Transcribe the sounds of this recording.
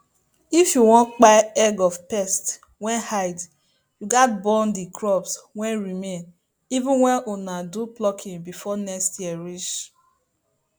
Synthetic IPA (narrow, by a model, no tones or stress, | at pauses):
ifjuwɔ̃ntk͡pajɛɡɔvpɛst | wɛ̃nhaɪd | juɡat̚bɔ̃ndikʰɹɔbswɛ̃nɹimen | ivũnwɛnonaduplɔkʰɪ̃ŋbifɔnɛkstjiɛɹit͡ʃ